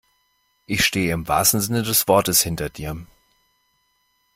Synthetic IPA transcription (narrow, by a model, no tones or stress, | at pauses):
ʔɪçʃteːəɪmva̰ːstn̩zɪnədɛsv̥ɔɐtəshɪntɐd̥iːɐ